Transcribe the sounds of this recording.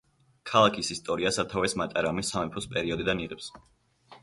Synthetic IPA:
kʰalˠakʰisist̪ʼɔɾiasat̪ʰavɛsmat̪ʼaɾamisːamɛpʰɔspʼɛɾiɔd̪id̪aniʁɛps

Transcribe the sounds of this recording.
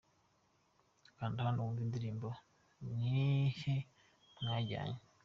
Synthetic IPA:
kaːndihanduunzindiɾiːmbo | ɲihe | maɟa̰ːɲe

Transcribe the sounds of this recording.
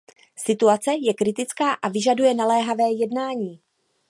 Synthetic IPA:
sɪt̪uat͡sɛjɛkɾɪt̪ɪt͡skaːʔavɪʒadujɛnalɛːɦavɛːjɛdnaːɲiː

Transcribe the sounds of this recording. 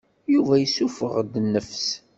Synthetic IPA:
juvæjəsufəʁd̪nːəfs

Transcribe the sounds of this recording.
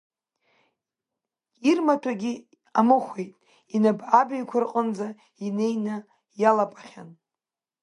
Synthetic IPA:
irmatʰaɡʲi | amɨχʷejtʼ | inabʕabajkʷʰarqʼənd͡za | ine̞jna | jalapʼaχʲan

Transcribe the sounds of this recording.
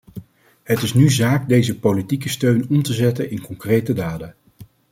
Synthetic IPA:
ɦətɪsnyzaːkdejzəpolitikəstøɥnɔmtəzɛtənɪnkɔŋkrejtədaːdə

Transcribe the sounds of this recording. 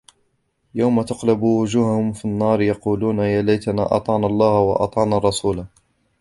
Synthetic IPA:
jawmat̪ʊqlʊbwʊd͡ʒuːhahʊmfinːɑːɾˤjɑquːluːnajaːlajt̪ana̰ːʔɑ̰t̪ˤɑʕnalˤːɑːhwɑ̰ʔɑ̰t̪ˤɑʕnaːrˤːɑsuːla

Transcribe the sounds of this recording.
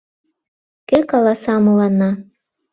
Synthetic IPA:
kekɑlˠɑsɑmɤlˠɑnɑ

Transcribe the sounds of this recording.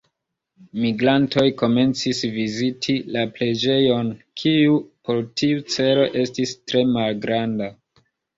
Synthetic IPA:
miɡɾanto̞jko̞me̞nt͡sisvizitʰilaple̞d͡ʒe̞jo̞nkʰijupo̞ɾtʰiut͡se̞ɾo̞ʔe̞stistɾe̞malɡɾanda

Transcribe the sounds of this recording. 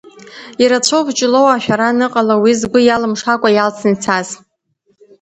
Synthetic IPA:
iɾat͡ɕʷʰowpt͡ʃʼɪlo̞waʃᶣaɾanɨqʼalawizɡʷʊjalɨmʂakʷʼajalt͡sʰnit͡sʰaz̥

